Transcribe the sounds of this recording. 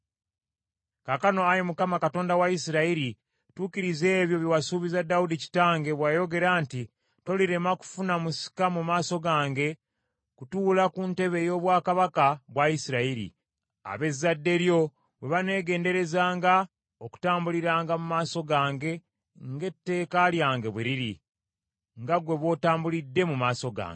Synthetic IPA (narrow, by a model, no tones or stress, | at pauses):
kakano̞ajimukamakato̞ːndawaisiɾaiɾi | tuːkiɾize̞ːβjo̞βjiwasuβizadaudici̥taːŋɡe̞βwaːjo̞ɡe̞ɾaːnti | to̞liɾe̞maku̥funamusi̥kamumaːso̞ɡaːŋɡe̞ | kutulakunte̞βe̞jo̞ːβwaːkaβakaβwaisiɾaiɾḭ | a̰βe̞zːadːe̞ɾjo̞ | βwe̞βane̞ːɡe̞ːnde̞ɾe̞zaːŋɡa | oku̥taːmbuliɾaːŋɡamumaːso̞ɡaːŋɡe̞ | ŋɡe̞tːe̞ːkaljaːŋɡe̞βweɾiɾi | ŋɡaɡwe̞βwo̞ːtaːmbulidːe̞mumaːso̞ɡa̰ːŋɡe